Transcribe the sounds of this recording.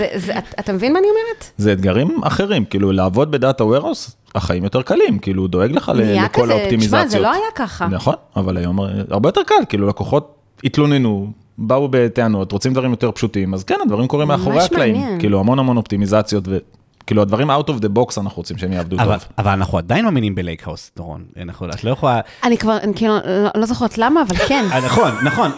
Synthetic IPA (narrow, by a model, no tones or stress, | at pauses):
zezaat̪amevinmaːniomeʁetzeːd̪ɡaʁimʔa̰χe̞ʁimkiːlulaːvo̞d̪̚be̞daːtaweʁos | aχaimjo̞te̞ʁkalimkiːlud̪o̞e̞ɡleχa̰lelekolaopt̪imizazt͡sjoloajakaχanaχo̞navalajo̞ma̰ʁbejote̞ʁkalkiːlulako̞χo̞t | it̪lo̞nenu | baube̞teano̞t̪ʁo̞t͡simd̪vaʁimjo̞t̪eʁpʃutimazkenad̪vaʁimko̞ʁimeaχoʁeaklaimnkiːluhamo̞nhamo̞no̞pt̪imizat͡sjo̞tve | kiːluad̪vaʁimawt̪ovd̪ebo̞ksanaχuʁot͡simʃeemjaːvd̪utovavalanaχuad̪ajinmaːminimbelejkha̰wstt̪oʁo̰na̰naχua̰tlojaχola | anikvaʁankilulolozoχeʁt̪lamaːvalkennaχonnaχo̞n